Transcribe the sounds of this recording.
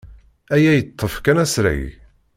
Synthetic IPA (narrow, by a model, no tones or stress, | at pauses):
æjæjət̪ˤːəfkænæsɾa̰j